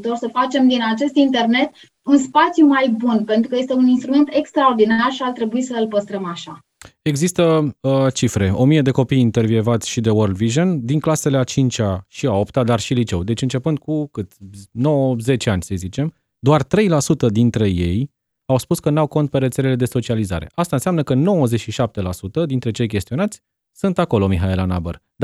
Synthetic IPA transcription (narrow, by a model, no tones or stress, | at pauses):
t̪orsəfat͡ʃe̞md̪inat͡ʃe̞st̪int̪e̞rne̞t̪ | unspat̪sʲjumajbunpe̞nt̪ɾukəje̞st̪e̞uninst̪ɾume̞nt̪e̞kst̪ɾaord̪inarʃiart̪ɾe̞buisəɨlpəst̪ɾəmaʃa | e̞ɡzist̪ət͡ʃifɾe̞o̞mije̞d̪e̞ko̞pijint̪e̞rvievat̪sʲʃid̪e̞wərd̪viʒond̪iŋklase̞leat͡ʃint͡ʃʲaʃiao̞pt̪ad̪arʃilit͡ʃe̞̰wd̪e̞t͡ʃɨnt͡ʃe̞pɨnd̪̚kukɨt̪ʲnowəze̞t͡ʃeanʲsəjzit͡ʃe̞m | d̪oart̪ɾe̞jlasut̪əd̪int̪ɾe̞je̞j | awspuskənawko̞nt̪̚pe̞ɾe̞t̪se̞le̞le̞d̪e̞so̞t͡ʃializa̰ɾe̞̰ʔast̪aɨnsʲeamnəkəno̞wəzet͡ʃʃiʃap̚t̪e̞lasut̪əd̪int̪ɾe̞t͡ʃe̞jkʲe̞st̪io̞nat̪sʲ | sɨnt̪ako̞lo̞miɦaelanabə̰rd̪